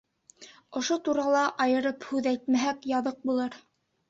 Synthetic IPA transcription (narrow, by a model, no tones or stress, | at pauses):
ŏʃot̪uɾɑlˠɑʔɑjɤ̆ɾɤphʉðæjt̪mæɦækjɑðɤq̚bulˠɤɾ